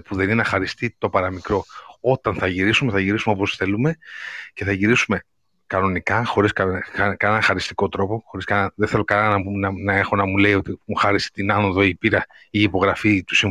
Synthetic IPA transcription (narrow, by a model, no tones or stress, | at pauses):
puðe̞nineɐxɐɾist̪it̪o̞pɐɾɐmikɾo̞ot̪ɐnθɐʝiɾisumeθɐʝiɾisumoposθe̞lume̞ce̞θɐʝiɾisume̞ | kɐno̞nikɐxo̞ɾiskɐkɐnenɐxɐɾist̪i̥ko̞t̪ɾo̞poxo̞ɾiskɐɐðeθe̞lokɐnɐnɐunɐnɐe̞xo̞nɐmuleiot̪imuxɐɾisi̥t̪inɐnoðo̞ipiɾɐ | iːpo̞ɣɾɐfit̪u̥si